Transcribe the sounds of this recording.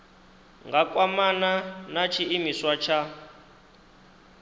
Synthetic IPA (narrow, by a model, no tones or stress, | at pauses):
ŋɡakʼwamananat͡ʃʰiimiswat͡ʃʰa